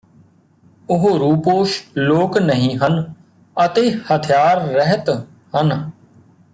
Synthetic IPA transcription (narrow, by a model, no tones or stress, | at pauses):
ʊɦoɾuːpoːʃloːknəɦĩːɦən | ət̪eːhət̪ʰɪjaːɾːɛɦət̪ | hən